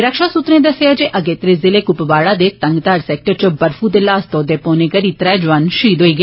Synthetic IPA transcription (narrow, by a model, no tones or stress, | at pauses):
ɾəkʃaːsut̪ɾẽːd̪əseaːd͡ʒeːʔəɡeːt̪ɾezɪleːkʊpʋaːɽaːd̪eːt̪ə̃ŋɡt̪aːɾsɛːk̚ʈəɾt͡ʃəbəɾfʰuːd̪eːlaːst̪oːd̪eːpoːneːɡəɾiːt̪ɾɛːd͡ʒʋanʃiːd̪ɦoːiːɡeː